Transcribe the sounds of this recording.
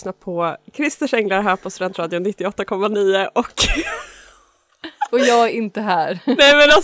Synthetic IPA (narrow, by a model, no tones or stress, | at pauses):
napʰɔkʰɾɪst̪əʂɛŋlaɾɦæːɾpʰɔst̪ɵd̪ɛnt̪ɾɑːd̪ɪʊnːɪt̪ːɪɔt̪ːakʰɔmːaniːəʔɔk | ɔjɑːɡæɾɪnt̪əɦæːɾnɛmɛna